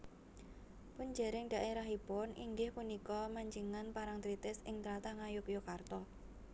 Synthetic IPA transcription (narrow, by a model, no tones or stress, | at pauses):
pund͡ʒeɾɪŋɖ̥̪a̤ʔeɾaɦibɔnʔḭŋɡɪhpunikɔmaɲd͡ʒiŋanpaɾaŋt̪ɾit̪ɪsɪŋt̪ɾat̪aŋajʊkjokart̪ɔ